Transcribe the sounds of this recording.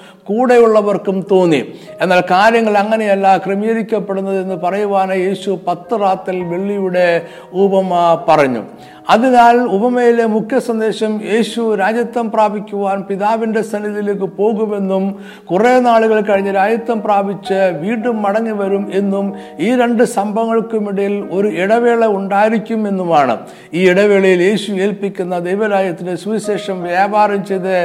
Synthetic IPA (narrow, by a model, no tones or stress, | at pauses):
kuːɽejuɭːɐʋɐrkumt̪o̞ːnːie̞nːaːlkaːɾjɐŋːɐɭɐŋːɐne̞jɐlːakrɨmijɐɾikʲːɐpːe̞ɽunːɐðe̞nːɨpɐrɐjuʋaːnɐje̞ːɕupɐt̪ːɨraːt̪ːɐlʋe̞ɭːijuɽe̞ | ubɐmpɐrɐɲːṵ | ɐðinaːlubɐmɐjile̞mukʰjɐsɐnd̪e̞ːɕɐmje̞ːɕuɾaːd͡ʑjɐt̪ːɐmpraːbʱikʲːuʋaːnpiðaːʋinde̞sɐniðilekːɨpo̞ːɣume̞nːum | kurenaːɭuɣɐɭkɐɻiɲːɐɾaːd͡ʑɐt̪ːɐmpraːbʱit͡ɕːɨʋiːɳumːɐɽɐŋːiʋɐɾume̞nːum | iːɾe̞ɳɖɨsɐmbʱɐŋːɐɭkɨmiɽɐjilo̞ɾuiɽɐʋeːɭeuɳɖaːjiɾikʲːume̞nːumaːɳɨ̰ | iːiɽɐʋeːɭɐjilje̞ːɕueːlpikʲːunːɐd̪ejʋɐɾaːd͡ʑjɐt̪ːindeswiɕe̞ːʂɐmʋjaːbaːɾɐmt͡ɕejðɨ